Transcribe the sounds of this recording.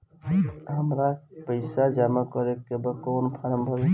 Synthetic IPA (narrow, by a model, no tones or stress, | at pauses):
ɦəmɾapəɪsad͡ʒamakɔɾekːebəkoːnpʰaɾəmbʱəbe